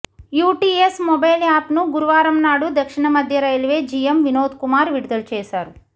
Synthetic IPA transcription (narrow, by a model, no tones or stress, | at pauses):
juːʈiːesmɔbɐjlaːpnuɡuɾuʋaːɾɐmnaːɽud̪ɐkʂiɳɐmɐd̪ʱjɐɾɐjlʋeːd͡ʒijemʋinoːd̪kumaːɾʋiɽud̪ɐlt͡ʃɛːʃaːɾu